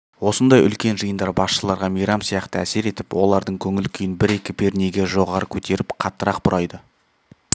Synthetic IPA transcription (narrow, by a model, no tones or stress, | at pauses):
wo̞sənd̪ɑjʏ̰lkʲe̞nʒəjənd̪ɑɾbɑsʃəlˠɑɾʁɑmijɾɑmsijɑqt̪əæ̰se̞ɾe̞t̪ɪpwo̞lˠɑɾd̪əɴkʲʰɵŋɪlkʲʰʏjɪnbɪɾe̞kʲɪbe̞ɾne̞ɡʲe̞ʒo̞ʁɑɾəkʲʰɵt̪e̞ɾɪpqʰɑt̪ːəɾɑq̚bʊɾʔɑjd̪ə